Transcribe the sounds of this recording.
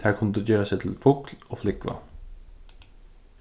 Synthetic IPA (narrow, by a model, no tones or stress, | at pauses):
hæːɾkʰɑnəd̪ʉːjøːɾəsɛɪt̪ʰɪlfʊːkloːflɪkʋɑ̰